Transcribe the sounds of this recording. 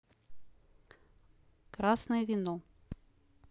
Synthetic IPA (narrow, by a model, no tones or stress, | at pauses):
kɾasnɐjɛvʲinɔ